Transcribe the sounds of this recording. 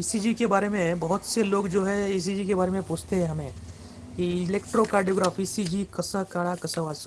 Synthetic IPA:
iːsid͡ʒikebaːɾemẽbɐɦʊt̪seloːɡd͡ʒoːɦɛ̃iːs̬id͡ʒikebaːɾemẽpoːt͡ʃʰt̪eɦɛ̃ɦɐmẽ | kiɪleːkʈɾokaːɾɖioːɡɾaːfiːsid͡ʒikɐsəɦkaːɽakɐsəʋaːs

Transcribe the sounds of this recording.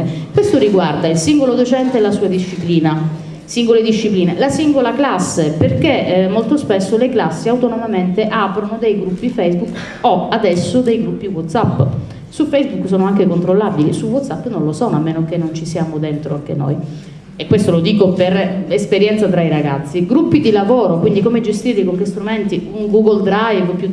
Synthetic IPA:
kwest̪oɾiɡward̪ailsiŋɡolod̪ot͡ʃɛnt̪eɛlasuːad̪iʃːipliːna | siŋɡoled̪iʃːipliːnelasiŋɡolaklasːeperkemːolt̪ospesːoleklasːiawt̪onomament̪eʔapɾonod̪ejɡɾupːifɛjzbuk | ɔad̪ɛsːod̪ejɡɾupːiwɔt̪sapː | sufɛjzbukːsɔːnoaŋkekont̪ɾolːabilisuwɔt̪sapːnonlosɔnoamːeːnokenːont͡ʃisiaːmod̪ent̪ɾoaŋkḛno̰j | ekːwest̪olod̪iːkopeɾespeɾjɛnt̪sat̪ɾaiɾaɡa̰t̪sːiɡɾupːid̪ilavɔːɾokwind̪ikomed͡ʒest̪iːrlikoŋkest̪ɾument̪iuŋɡuɡold̪ɾajvpju

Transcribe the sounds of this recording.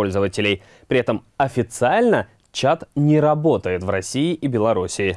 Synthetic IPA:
olʲzəvətʲɪlʲej | pɾʲɪɛt̪əm | ɐfʲɪt̪sɨalʲnə | t͡ɕat̪nʲɪɾɐbo̞t̪əjɪt̪vrɐsʲiɪʔibʲɪlˠɐɾusʲɪɪ

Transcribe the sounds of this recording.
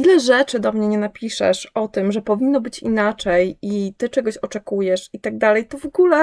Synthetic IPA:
ilɛʐɛt͡ʂɘd̪ɔmɲɛɲɛnapʲiʂɛ̰ʂɔt̪ɘmʐɛpɔvʲinːɔbɘt͡ɕinat͡ʂɛjit̪ɘt͡ʂɛɡɔɕɔt͡ʂɛkujɛʂit̪aɡ̚d̪alɛjt̪ɔvɔɡulɛ

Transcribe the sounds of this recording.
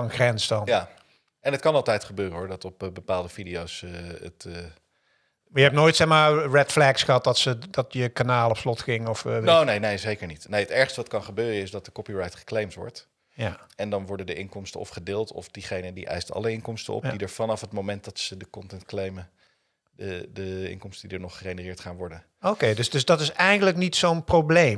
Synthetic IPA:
nχrɛnsdɑnja | ɛnətkɑnɑlˠtɛjtχəbøːrənɦɔɹdɑtɔpbəpaːlˠdəvidiowsə̰tː | mjəɛp̚noːjtsɛχmaːɹɛtflɛksχəɦɑt̚dɑtsədɑtjəkanaːlˠɔpslɔtχɪŋɔfnownejnejzejkəɹnitnejətɛɹχstəʋɑtkɑnχəbøːrəɪsdɑt̚dəkɔpiɹɑjtχə̥klejmtʋɔ̰ɹt | jaɛndɑnʋɔɹdədəʔɪnkɔmstənɔ̰fχədɪːlˠtʰɔ̰fdiχejnədiʔɛ̰jstɑ̰ləɪnkɔmstə̰nɔ̰pdidəɹvɑnɑfɦətmowmɛnt̚dɑtsədəkɔntɛntklejmə | dədəɪ̰ŋnkɔmstəndidəɹnɔχərenərɪːɹtχaːnʋɔɹdə | okejdøsdøsdɔtɪsɛjəndələknitsownprowblej

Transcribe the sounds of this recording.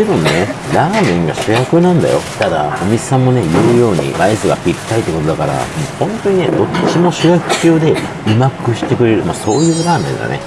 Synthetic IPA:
sebɯ̟̃nnːe̞ɾaːmẽ̞ŋɡaɕɨjakɯ̟nãnd̪a̰jo̞̰t̪ad̪a̰o̞mʲi̥sãmːo̞ne̞jɯ̟ːjo̞ːɲ̟ḭβaizɨɡa̰pʲiɾʲi̥t̪ːait̪ːko̞t̪oakaɾa̰mohõ̞nt̪o̞ɲ̟ine̞d̪o̞t͡ɕimo̞ɕɨjakɯ̟̥kʲoːd̪e̞ | ɯ̟makɯ̟ɕi̥t̪e̞kɯ̟ɾe̞ɾɯ̟maso̞ːjɯ̟ːɾaːmẽ̞nɡ̪a̰ne̞̰

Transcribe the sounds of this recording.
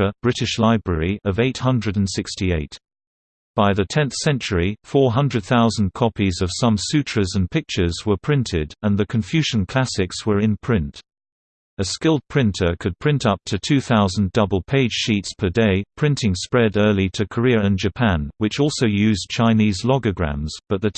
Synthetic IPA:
əb̥ɹɪɾɨʃlaɪbɹɛɹiʔʌveɪt̚hʌ̃ndɹɨɾ̃n̩sɪkstieɪt | b̥aɪðɨtʰɛ̃nθsɛ̃nt͡ʃə˞ifɔɹɦʌ̃ndɹɨd̪̚θaʊzn̩̚kʰɒpizʌv̥sʌ̃msʉt͡ʃʰɹ̥əzə̃npʰɪk̚t͡ʃə˞zwə˞pʰɹ̥ɪ̃ntʰɪdə̃nðɨkʰɨ̃ɱfjʉʒə̃n̩kʰl̥æsɪkswə˞ɨ̃npʰɹ̥ɪ̃nt | ɨskɪlˠd̚pʰɹ̥ɪ̃ntʰə˞kʰɨd̚pʰɹ̥ɪ̃ntʌp̚tʰɨtʰʉθaʊz̃n̩dʌbəlˠpʰeɪd̥ʒ̥ʃitspʰə˞deɪpʰɹ̥ɪ̃ntʰɪ̃ŋspɹɛɾɜ˞lˠitʰɨkʰə˞ɪɹɨ̃nd͡ʒɨpʰæ̃nwɨt͡ʃɔlˠsoʊjʉzt͡ʃʰãɪ̃nizlɒɡəɡɹæ̰̃mz̥b̥ʌt̪̚ðɨ

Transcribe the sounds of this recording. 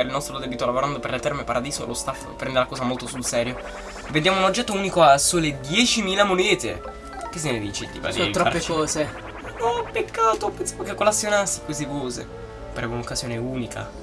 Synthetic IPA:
ɾilnɔst̪ɾod̪ɛːbit̪olavoɾand̪opeɾlet̪ɛɾmepaɾad̪iːzo̰lost̪afpːɾɛnd̪elakɔːzamolt̪osulsɛːɾjo | ved̪jaːmounod͡ʒːɛt̪ːouːnikoasːoled̪jɛːt͡ʃimiːlamonɛːt̪ḛ | kes̬ːened̪iːt͡ʃid̪ḭva̰d̪it̪ɾɔaɾpːekɔːze | nɔpːekːaːt̪opensamokekːolasːjonasːi̥kwezivɔːzḛ | paɾemounokːazjoːneuːnikʰa̰

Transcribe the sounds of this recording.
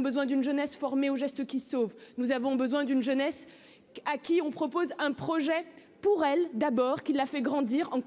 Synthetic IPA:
bəzwɛ̃d̪ynʒənɛsfɔʁmeoʒɛst̪əkʲisovnuzavɔ̃bəzwɛ̃d̪ynʒənɛs | akʲiɔ̃pχɔpozɛ̃pχɔʒɛ | puʁɛld̪abɔʁkʲilːafɛɡʁɑ̃d̪iʁɑ̃

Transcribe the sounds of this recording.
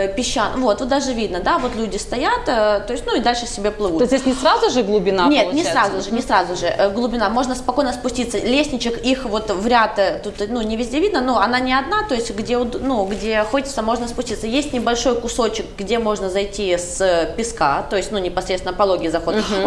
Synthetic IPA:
pʲɪɕːanvo̞t̪vot̪d̪aʐɨvʲid̪̚nəd̪avo̞t̪lʲudʲɪst̪ɐjat̪ət̪ojɪsʲt̪ʲnuid̪alʲʂɨsʲɪbʲeplˠɨvut̪zd̪ʲesʲnʲɪsɾazʊʐɨɡlˠʊbʲɪnanʲetnʲɪɾazʊʐɨnʲɪsɾazʊʐɨʔəɡlˠʊbʲɪnamo̞ʐnəspɐko̞jnəspʊsʲtʲit̪sːəlʲesʲnʲɪt͡ɕɪkixvo̞t̪vɾʲat̪ət̪ut̪nunʲɪvʲɪzʲdʲevʲid̪nənoɐnanʲɪɐd̪nat̪o̞ɪsʲtʲɡdʲeʊd̪nuɡdʲe̞xo̞tʲɪt̪səmo̞ʐnəspʊsʲtʲit̪səjesʲtʲnʲɪbɐlʲʂo̞jkʊso̞t͡ɕɪk̚ɡdʲe̞mo̞ʐnəzɐjtʲispʲɪskat̪o̞ɪsʲtʲnunʲɪpɐsɾet̪ʲɪnəpɐlˠo̞ɡʲɪzɐxo̞d̪

